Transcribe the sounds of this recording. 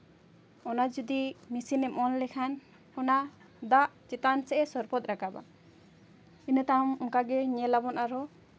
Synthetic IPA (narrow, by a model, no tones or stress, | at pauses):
ɔnad͡ʒud̪imisinɛmɔnlɛkʰan | ɔna | d̪aʔt͡ʃit̪ansɛʔɛsɔɾpɔt̪̚ɾakaba̰ | inət̪amɔŋkaɡɛɲɛlabɔnʔaɾɔ